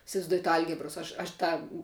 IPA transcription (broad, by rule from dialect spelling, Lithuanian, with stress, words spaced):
ɪsʲɪʋɐɪzˈduɔjɛt ˈɐlʲɡʲɪbroːs ˈɐʃ ɐʃ ˈtɑː